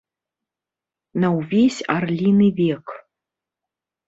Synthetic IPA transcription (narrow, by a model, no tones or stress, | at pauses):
nawvʲesʲarlʲinɨvʲekʰ